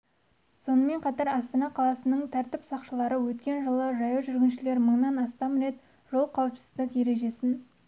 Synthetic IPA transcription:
so̞nəme̞ɴqʰɑt̪ɑɾɑst̪ɑnɑqʰɑlˠɑsənəɴt̪ʰæɾt̪ɪpsɑqʃəlˠɑɾəwɵt̪kʲe̞nʒəlˠəʒɑjɑʒʏɾɡʲɪnʃɪle̞ɾməɴnɑnɑst̪ɑmɾe̞t̪ | ʒ̥o̞lˠqʰɑwəpsɪzd̪ɪkʲje̞ɾe̞ʒe̞sɪn

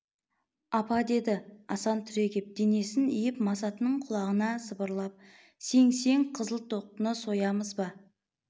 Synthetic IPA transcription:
ɑpɑd̪e̞d̪ɪɑsɑnt̪ʰʏɾe̞ɡʲep̚d̪̥ene̞sɪnijɪpmɑsɑt̪ənəɴqʰʊlˠɑʁənɑsəbəɾlˠɑp̚ | se̞ŋse̞ŋqʰəzəlˠt̪ʰo̞q̚t̪ənəso̞jɑməzbɑ

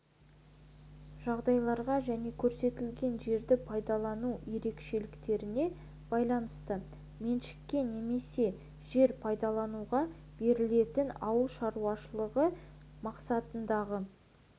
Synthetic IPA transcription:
ʒ̥ɑʁd̪ɑjlˠɑɾʁɑʒæne̞kʲʰɵɾse̞t̪ɪlɡʲe̞nʒe̞ɾd̪ɪpʰɑjd̪ɑlˠɑnuje̞ɾe̞kʃe̞lɪkt̪e̞ɾɪne̞ | b̥ɑjlˠɑnəst̪ə | menʃɪ̥kʲːe̞ne̞me̞se̞ | ʒ̥e̞ɾpʰɑjd̪ɑlˠɑnuʁɑ | b̥e̞ɾɪle̞t̪ɪnɑwəlˠʃɑɾuɑʃəlˠəʁəmɑqsɑt̪ənd̪ɑʁə

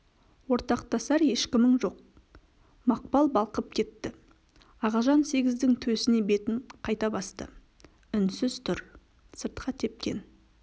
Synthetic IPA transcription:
wo̞ɾt̪ɑqt̪ɑsɑɾje̞ʃkʲɪmɪɴʒo̞q̚ | mɑq̚pɑlˠbɑlˠqəp̚kʲʰe̞t̪ːɪ | ɑʁɑʒɑnse̞ɡʲɪzd̪ɪŋt̪ʰɵsɪne̞be̞t̪ɪɴqʰɑjt̪ɑbɑst̪ə̰ | ʏnsɪzt̪ʰʏɾ | səɾt̪qʰɑt̪ʰe̞p̚kʲe̞̰n

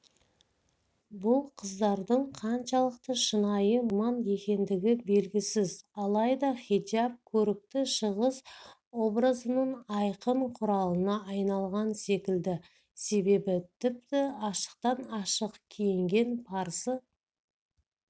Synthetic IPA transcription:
bʊlˠqʰəzd̪ɑɾd̪əɴqʰɑnʃɑlˠəq̚t̪əʃənɑjəmɑnje̞kʲe̞nd̪ɪɡʲɪbe̞lɡʲɪsɪzɑlˠɑjd̪ɑχʲid̪iap̚kʲʰɵɾɪk̚t̪ɪʃəʁəz | wo̞brəzənəɴɑjqəmqʰʊɾɑlˠənɑʔɑjnɑlˠʁɑnse̞kʲɪld̪ɪ | se̞be̞bɪt̪ʰɪp̚t̪ɪɑʃə̥q̚t̪ɑnɑʃəqkʲʰijɪŋɡʲe̞npʰɑɾsə

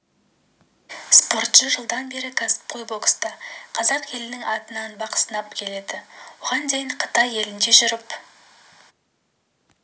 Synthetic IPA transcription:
spo̞ɾt̪ʃəʒəlˠd̪ɑnbe̞ɾɪkʲʰɑsɪ̥p̚qʰojbo̞kst̪ɑqʰɑzɑqʰe̞lɪnɪŋɑt̪ənɑnbɑqə̥sənɑpkʲʰe̞le̞d̪ɪwoʁɑnd̪ejɪɴqʰə̥t̪ɑje̞lɪnd̪e̞ʒʊɾəp

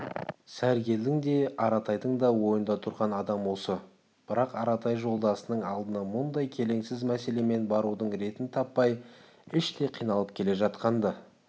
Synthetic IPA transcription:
sæɾɡʲe̞ld̪ɪŋd̪e̞ɑɾɑt̪ʰɑjd̪əɴd̪ɑwo̞jənd̪ɑt̪ʰʊɾʁɑnɑd̪ɑmwo̞sə | b̥ɪɾɑqɑɾɑt̪ʰɑjʒo̞lˠd̪ɑsənəɴɑlˠd̪ənɑmʊnd̪ɑjkʲʰe̞le̞ŋsɪzmæse̞le̞me̞nbɑɾud̪əɴɾe̞t̪ɪnt̪ʰɑpːɑj | ɪʃt̪e̞qʰijnɑlˠəp̚kʲʰe̞le̞ʒɑt̪qɑnd̪ə

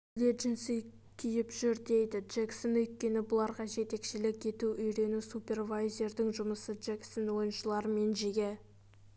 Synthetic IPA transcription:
leʒɪnsij | kʲʰijɪpʒʏɾd̪e̞jd̪ɪʒ̥eksonɵjt̪̚kʲe̞nɪbʊlˠɑɾʁɑʒe̞t̪e̞kʃɪlɪkʲe̞t̪uʔʏjɾe̞nusupʲe̞rvajzʲe̞ɾd̪ɪŋʒʊməsədʒ̥eksonwo̞jənʃəlˠɑɾəme̞nʒeɡʲe̞

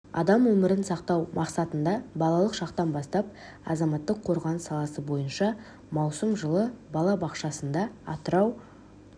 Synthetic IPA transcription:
ɑ̰d̪ɑmwɵmɪɾɪnsɑqt̪ɑwmʔɑqsɑt̪ənd̪ɑbɑlˠɑlˠəqʃɑqt̪ɑnbɑst̪ɑp̚ | ɑ̰zɑmɑt̪ːəqʰːo̞ɾʁɑnəsɑlˠɑsəbo̞jənʃɑ | mɑwsəmʒəlˠəbɑlˠɑbɑqʃɑsənd̪ɑɑt̪əɾɑw

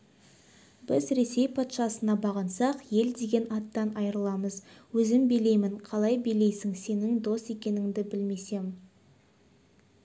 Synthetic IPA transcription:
bɪzɾe̞se̞jpʰɑt̪ʃɑsənɑbɑʁənsɑqje̞ld̪e̞ɡʲe̞nɑt̪ːɑnɑjɾəlˠɑməzwɵzɪmbele̞jmɪɴqʰɑlˠɑjbele̞jsɪŋse̞nɪŋd̪o̞st̪e̞kʲe̞nɪŋd̪ɪbɪlme̞se̞m

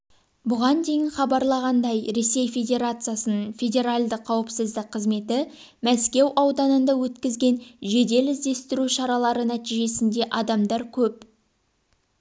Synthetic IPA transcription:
bʊʁɑnd̪e̞jɪnχɑbɑɾlˠɑʁɑnd̪ɑjɾe̞se̞jfʲe̞dʲe̞ɾat̪sɨijasənəɴɴfʲe̞d̪ʲe̞ɾalʲd̪əqʰːɑwəpsəzd̪ɪq̚qʰːəzme̞t̪ɪ | mæskʲe̞wʔɑwd̪ɑnənd̪ɑwɵt̪kʲɪzɡʲe̞nʒe̞d̪e̞lɪzd̪e̞st̪ɪɾuʃɑɾɑlˠɑɾənæt̪iʒe̞sɪnd̪e̞ʔɑd̪ɑmd̪ɑɾkʲʰɵp̚

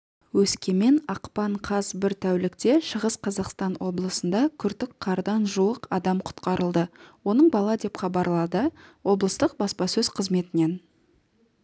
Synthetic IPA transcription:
wɵskʲe̞me̞nɑqpɑɴqʰɑzbɪɾt̪ʰæwlɪkt̪e̞ʃəʁəsqʰɑzɑqst̪ɑnwʔo̞blˠəsənd̪ɑkʲʰʏɾt̪ɪkqʰːɑɾd̪ɑnʒuwəqɑd̪ɑmqʰʊ̥t̪qɑɾʔəlˠd̪əwo̞nəɴbɑlˠɑd̪e̞pχɑbɑɾlˠɑd̪əwo̞blˠəst̪əq̚bɑspɑsɵz̥qʰəzme̞t̪ɪne̞n

